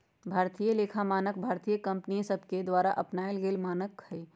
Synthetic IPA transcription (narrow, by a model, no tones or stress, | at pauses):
bʱaːɾt̪ijəleːkʰamaːnək̚bʱaːɾt̪ijəkɐ̃mpniẽsɐb̚ʱked̪waːɾa̰ʔɐpnaːelɡeːlmaːnəkhe